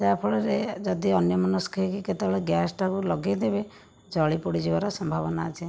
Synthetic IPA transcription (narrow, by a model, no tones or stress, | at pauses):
d͡ʒapʰɔɭɔɾed͡ʒɔd̪iɔnjɔmɔnuskʰeikiket̪ebeɭeɡjasʈakulɔɡed̪ebe | d͡ʒɔɭipɔɽid͡ʒibaɾɔsɔmbʱabɔnaːt͡ʃʰe